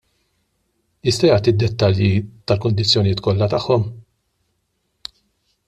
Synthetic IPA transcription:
jɪst̪ɐjɐːt̪id̪ːɛt̪ːɐljit̪ɐlkʊnd̪ɪt͡sːjɔnɪjɪːt̪kɔlːɐt̪ɐħːɔm

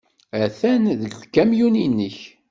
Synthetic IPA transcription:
æθænðəɡðkːæmjuninːəç

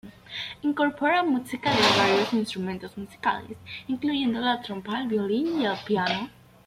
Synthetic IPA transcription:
iŋkoɾpoɾamusikaðeβaɾjosinst̪ɾumẽnt̪ozmusi̥ka̰lḛsiŋklujẽnd̪olat̪ɾompalβjolinialpjano

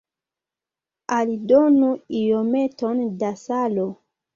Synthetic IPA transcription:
alidonuijometondasalo

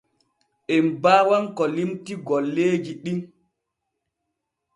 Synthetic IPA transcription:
ʔembaːwaŋkɔlimtiɡɔlːeːd͡ʒiɗim

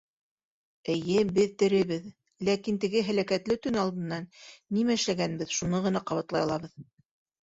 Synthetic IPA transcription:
ɘ̆jɘbɘðt̪ɘ̆ɾɘ̆βɘð | lækint̪ɘ̆ɡɘɦælækæt̪lɘt̪ɵnɑlˠd̪ɤ̆nːɑnːimæɘ̆ʃlæɡænbɘðʃunɤʁɤ̆nɑqɑβɑt̪lˠɑjɑlˠɑβɤð

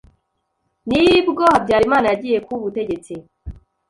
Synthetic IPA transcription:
nijibɡoːhabɟaːɾimaːnajaɟiːje̞kuβute̞ɟe̞t͡si

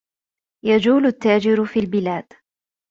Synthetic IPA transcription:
jad͡ʒuːlʊt̪ːaːd͡ʒɪɾfiːlbɪlaːd̪̥

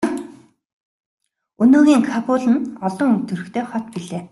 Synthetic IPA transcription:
ɵnoːɣʲiːŋkʰapʊːɮɘ̆nɔɮɞ̆ŋɵnt̪ɵ̆ɾɵ̆xkt̪ʰeːχɔt̪piɮeː

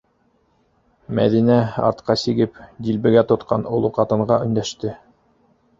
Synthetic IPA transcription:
mæðinæɑ̰ɾt̪qɑsiɡɘpd̪ʲilbɘ̆ɡæt̪ŏt̪qɑnŏlˠoqɑt̪ɤ̆ɴɢɑɵ̆nd̪æʃt̪ɘ

